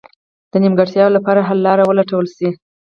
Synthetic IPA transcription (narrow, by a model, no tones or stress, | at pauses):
d̪̥ənimɡaʈt̪jɑlapɑɾaɦalːɑɾawəlaʈawəlsi